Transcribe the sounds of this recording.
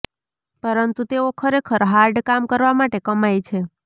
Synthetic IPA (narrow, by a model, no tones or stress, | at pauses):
pəɾənt̪ut̪eokʰəɾekʰəɾɦaɾɖkamkəɾʋamaʈekəmajt͡ʃʰe